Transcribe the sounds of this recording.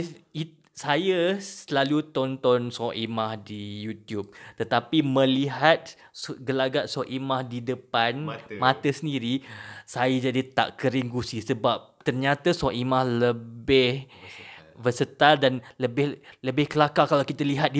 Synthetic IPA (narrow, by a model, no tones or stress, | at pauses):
i | sajəsəlalut̪ɔnt̪ɔnsɔʔimahdijut̪jub̚t̪ət̪apimə̃liɦat̪̚ | sɡəlaɡaʔsɔʔimahdidəpanmat̪əsəndiɾisajəd͡ʒadit̪a̰ʔkəɾiŋɡusisəbap̚t̪ərɲat̪asɔʔimahləbɪh | vəsət̪aldanləbɪhləbɪhkəlakakalawkit̪aliɦat̪̚di